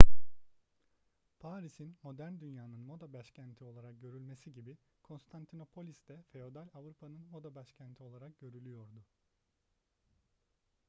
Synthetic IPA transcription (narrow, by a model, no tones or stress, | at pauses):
pʰaːɾisinmo̞d̪æɾnd̪ynjaːnɯnmo̞d̪abaʃcʰænt̪ʰio̞lˠaɾak̚ɟø̞ɾylʲme̞siɟibi | kʰo̞nst̪ʰant̪ʰino̞pʰo̞lʲisd̪ɛfe̞o̞d̪alʲavɾupʰanɯnmo̞d̪abaʃcʰænt̪ʰio̞lˠaɾak̚ɟø̞ɾylʲyjo̞ɾd̪ʊ